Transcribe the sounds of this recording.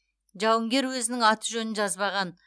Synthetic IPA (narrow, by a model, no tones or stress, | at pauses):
ʒɑwəŋɡʲe̞ɾwɵzɪnɪŋɑt̪ʰəʒɵnɪnʒɑzbɑʁɑn